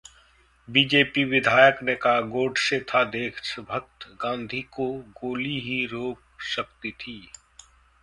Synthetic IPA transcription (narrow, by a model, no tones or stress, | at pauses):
biːd͡ʒeːpiʋɪd̪ʱaːjəknekaɡoːɖset̪ʰad̪eːkʰʃəbʱək̚t̪ɡãːnd̪ʱikoɡoːliɦiɾoːp̚ʃəkt̪it̪ʰiː